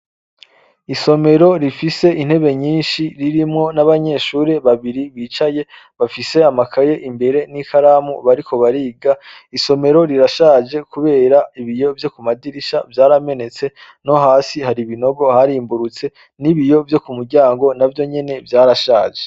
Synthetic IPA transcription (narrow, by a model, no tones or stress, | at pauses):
iso̞me̞ɾo̞ɾifise̞ʔin̥he̞βe̞ɲiːnʃiɾiɾimŋo̞naβaɲe̞ʃuːɾe̞βaβiɾiβiːt͡ʃaje̞ | βafise̞amakʰaje̞ʔimbe̞ɾe̞nikʰaɾaːmuβaɾikʰo̞βaɾiːɡa | iso̞me̞ɾo̞ɾiɾaʃaːʒe̞kuβe̞ːɾaiβijo̞vjo̞kumadiɾiʃavjaːɾame̞ne̞t͡se̞ | no̞ɦaːsihaɾiβino̞ɡo̞haɾiːmbuɾut͡se̞ | niβijo̞vjo̞kumuɾɟaːŋɡo̞navjo̞ɲe̞ne̞vjaːɾaʃaːʒe